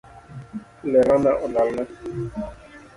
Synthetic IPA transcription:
lɛɾanaʔɔlalna

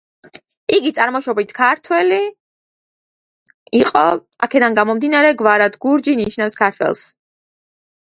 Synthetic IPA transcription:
iɡit̪sʼaɾmɔʃɔbit̪ʰkʰaɾt̪ʰwɛli | iqʼɔ | a̰kʰɛd̪anɡamɔmd̪inaɾɛɡvaɾad̪ʰɡuɾd͡ʒiniʃnafskʰaɾt̪ʰwɛ̰lˠs

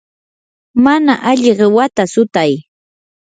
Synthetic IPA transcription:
manaʔaʎɪɢewat̪asʊt̪aj

